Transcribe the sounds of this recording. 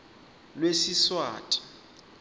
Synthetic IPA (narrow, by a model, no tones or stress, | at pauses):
lwesiswaːtʼḁ